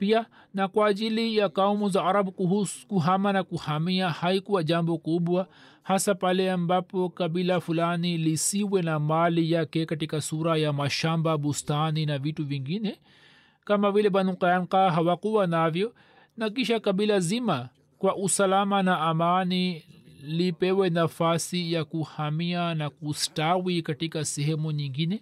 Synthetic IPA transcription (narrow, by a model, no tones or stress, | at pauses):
pia | nakwaːʄilijakaumuzaaɾaɓukuhusu̥kuɦamanakuhamiahaikuwaʄambɔkuɓwa | hasapalɛambapɔkaɓilafulanilisiwɛnamalijakɛkatikasuɾajamaʃambaɓustaninavituviŋɡinɛ | kamavilɛɓanukajaŋkaɦawakuwanavjɔ | nak̬iʃakaɓilazima | kwaʔusalamanaːmani | lipɛwɛnafasijakuhamianakustawikatikasɛhɛmuɲiŋɡinɛ